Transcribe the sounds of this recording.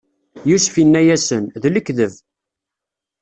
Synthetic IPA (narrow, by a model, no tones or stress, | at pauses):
juʃfinːæjæsənðləkðəv